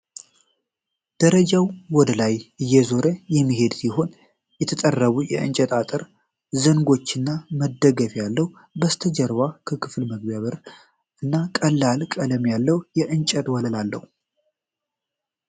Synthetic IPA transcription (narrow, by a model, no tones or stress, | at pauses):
d̪̥əɾəd͡ʒawwɔd̪əlajʔɨjːɛzo̞ɾəjɛmːiɦe̞d̪siɦo̞n | jɛt̪ʰət̪ʼərːəβujɛ̰ɨ̰nt͡ʃʼɛt̪ʼat̪ʼɨɾ | zəŋɡo̞t͡ʃːɨnːaməd̪əɡəfjalːəhu | bəst̪ʰəd͡ʒəɾwakʰəkʰɨflməɡbaβəɾ | ʔɨnːakʼəlːalkʼələmjalːəwjɛʔɨnt͡ʃʼət̪wɔləlalːə̰hu